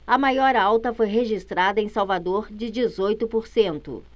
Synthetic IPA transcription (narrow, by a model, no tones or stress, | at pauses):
ɐmajɔɾawt̪ɐfojɦeʒist̪ɾad̪ɐẽj̃sawvad̪oɾd͡ʒɪd͡ʒɪzojt̪ʊpoɾsẽnt̪ʊ̰